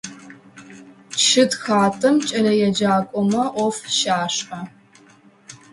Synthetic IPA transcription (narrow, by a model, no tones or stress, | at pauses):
ʃʰɨtxaːtʰʼɨmt͡ʃʼɐlɐjɛd͡ʒaːkʷʼɔmɐʔʷɔfʃaːʂɐ